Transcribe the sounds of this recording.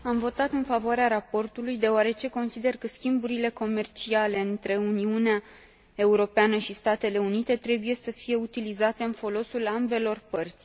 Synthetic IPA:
amvo̞t̪at̪ɨnfavoaɾeaɾapo̞rt̪ulujd̪e̞oaɾe̞t͡ʃe̞ko̞nsid̪e̞rkəskʲimbuɾile̞ko̞me̞rt͡ʃiale̞ɨnt̪ɾe̞uniunea | e̞uɾo̞peanəʃist̪at̪e̞le̞unit̪e̞t̪ɾe̞buje̞səfije̞ut̪ilizat̪e̞ɨnfo̞lo̞sulambe̞lo̞rpərt̪sʲ

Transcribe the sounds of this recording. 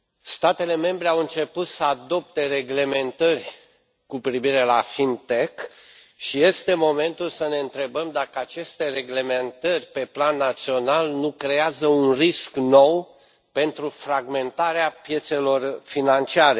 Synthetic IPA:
st̪at̪e̞le̞me̞mbɾe̞awɨnt͡ʃe̞put̪səad̪o̞p̚t̪e̞re̞ɡle̞me̞nt̪ərʲ | kupɾiviɾe̞lafint̪ek | ʃije̞st̪e̞mo̞me̞nt̪ulsəne̞ɨnt̪ɾe̞bəmd̪akəat͡ʃe̞st̪e̞re̞ɡle̞me̞nt̪ərʲpe̞planːat̪sio̞nalnukɾe̞azəunriskno̞w | pe̞nt̪ɾufɾaɡme̞nt̪aɾeapje̞t̪se̞lo̞rfinant͡ʃiaɾe̞

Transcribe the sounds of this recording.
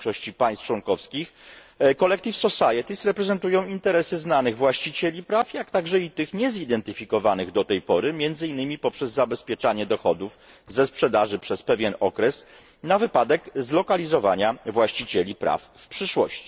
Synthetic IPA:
ʂɔɕt͡ɕipajst͡ʂwɔnkɔfskʲixkɔlɛk̚t̪ifsɔsajɛt̪isɾɛpɾɛzɛnt̪ujɔ̃w̃int̪ɛɾɛsɘznanɘɣvwaɕt͡ɕit͡ɕelʲipɾafjak̚t̪aɡʐɛit̪ɘxɲɛzid̪ɛnt̪ɘfʲikɔvanɘɣd̪ɔt̪ɛjpɔɾɘmʲjɛnd̪zɘinːɘmʲipɔpʂɛzːabɛspʲjɛt͡ʂaɲɛd̪ɔxɔd̪uf | zɛspʂɛd̪aʐɘpʂɛspɛvʲjɛnɔkɾɛs | navɘpad̪ɛkzlɔkalʲizɔvaɲavwaɕt͡ɕit͡ɕelʲipɾʔa̰fːpʂɘʂwɔ̰ɕt͡ɕi̥

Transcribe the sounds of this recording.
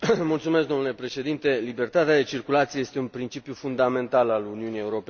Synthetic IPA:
mult̪sumesk̚ɡd̪o̞mnule̞pɾe̞ʃe̞d̪int̪e̞libert̪at̪ead̪e̞t͡ʃirkulat̪sijeje̞st̪eunpɾint͡ʃipjufund̪ame̞nt̪alaluniunije̞uɾo̞pe

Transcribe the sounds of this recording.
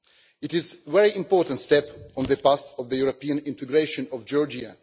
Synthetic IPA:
ɪtɪzvɛɹiʔɪ̃mpɔɹtə̃ntstɛpɔ̃nðəpastɔvðəjuɹopiə̃nɪ̃ntɨɡɹeɪʃə̃nɔvd͡ʒɔɹd͡ʒia

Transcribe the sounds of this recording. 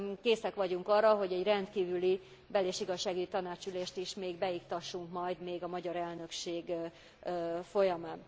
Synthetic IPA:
keːsɛkʋɒɟuŋkɒrːɒɦo̞ɟɛɟrɛnt̪kiːvyli | bɛleːʃiɡɒʃːaːɡyɟit̪ɒnaːt͡ʃyleːʃt̪iʃmeːɡbɛikt̪ɒʃːuŋkmɒjd̪meːɡɒmɒɟɒɾɛlnø̞kʃeːɡ | fo̞jɒmaːn

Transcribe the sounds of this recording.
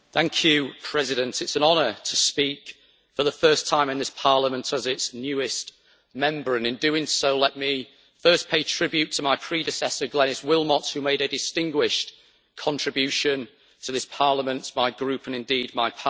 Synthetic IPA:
θæ̃ŋkʰjɨpʰɹ̥ɛzɪɾə̃ntʰɪtsə̃nɒnətʰəspiˑk | fəðəfɜˑ˞stʰãɪ̃mɨ̃nðɪspʰɑɹləmə̃ntʰəzɪtsnjʉɪst | mɛ̃mbə˞ɨ̃nɨ̃ndʉɪ̃ŋsoʊlɛʔmi | fɜˑ˞spʰeɪtʰɹ̥ɪbjʉtʰəmaɪpʰɹ̥idɨsɛsə˞ɡlɛñɪswɪlˠməthʉmeɪɾɨdɪstɪ̃ŋɡwɪʃ | kʰɒ̃ntɹ̥ɨbjʉʃɨ̃n | tʰəðɪspʰɑɹləmə̃ntmaɪɡɹʉpə̃nɨ̃ndiːd̚maɪpʰ

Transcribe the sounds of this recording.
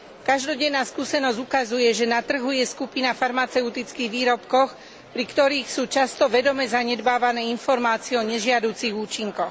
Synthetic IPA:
kaʒd̪ɔɟɛnːaːskuːsɛnɔzɟukazujɛʒɛnat̪r̩ɦujɛskupinafaɾmat͡sɛut̪it͡skiɣʋiːɾɔpkɔx | pɾikt̪ɔɾiːxsuːt͡ʃast̪ɔʋɛd̪ɔmɛzaɲɛd̪baːʋanɛːinfɔɾmaːt͡siɛɔɲɛʒɪad̪uːt͡siɣuːt͡ʃiŋkɔx

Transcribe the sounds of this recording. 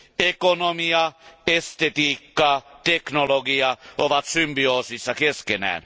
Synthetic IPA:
ɛkɔnɔmiːaɛst̪ɛt̪iːkːat̪ʰɛknɔlɔɡiːaoʋat̪symbɪoːsɪsakɛskɛnæ̰n

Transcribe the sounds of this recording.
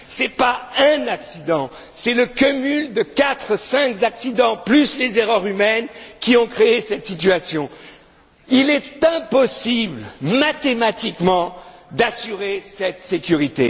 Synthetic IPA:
sɛpaɛ̃naksid̪ɑ̃ | sɛləkɔmyld̪əkat̪χsɛ̃kzaksid̪ɑ̃plyslezeʁœʁymɛnkʲiɔ̃kχeesɛt̪sit̪ɥasjɔ̃ | ilɛt̪ɛ̃pɔsiblmat̪emat̪ikmɑ̃d̪asyʁesɛt̪sekʲyʁit̪e

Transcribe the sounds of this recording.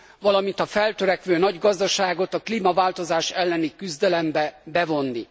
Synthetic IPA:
vɒlɒmint̪ɒfɛlt̪øɾɛkʋøːnɒɟɡɒzd̪ɒʃaːɡo̞t̪ɒkliːmɒvaːlt̪o̞zaːʃɛlːɛnikyzd̪ɛlɛmbɛbɛvo̞nːi

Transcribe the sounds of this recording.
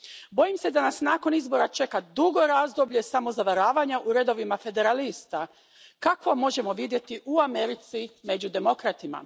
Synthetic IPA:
bo̞jimse̞d̪anasnaːko̞nizbo̞ɾat͡ʃe̞kad̪uɡo̞ɾazd̪o̞bʎe̞samo̞zaʋaɾaːʋaɲaʔuɾe̞d̪o̞ʋimafe̞d̪e̞ɾalist̪a | kakʋo̞mo̞ʒe̞mo̞ʋid̪je̞t̪iʔuameɾit̪sime̞d͡ʑud̪e̞mo̞kɾat̪ima̰

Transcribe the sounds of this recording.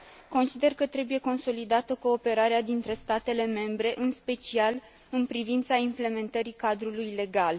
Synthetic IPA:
ko̞nsid̪e̞rkət̪ɾe̞buje̞ko̞nso̞lid̪at̪əko̞ːpe̞ɾaɾead̪int̪ɾe̞st̪at̪e̞le̞me̞mbɾe̞ʔɨnspe̞t͡ʃial | ɨnpɾivint̪saimple̞me̞nt̪əɾikad̪ɾulujle̞ɡal

